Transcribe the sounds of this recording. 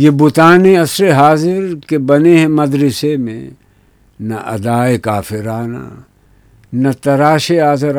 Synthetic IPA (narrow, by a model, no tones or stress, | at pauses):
jebʊt̪aːneɐsɾeɦaːzɪɾkebɐneɦɛ̃mɐd̪ɾɪsemḛ̃ | nɐʔɐ̰d̪aːekaːfʰɪɾaːna̰ | nɐt̪ɐɾaːʃeaːzɪɾ